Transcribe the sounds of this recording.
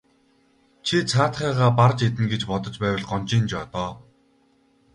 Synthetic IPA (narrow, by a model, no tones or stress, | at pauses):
t͡ɕʰit͡sʰaːt̪χæːʁaːpart͡ɕet̪̬ɘ̆nɡet͡ɕpɔt̪ɞ̆t͡ɕpæːwə̆ɮɢɔnt͡ɕiːnt͡ɕɔt̪ɔː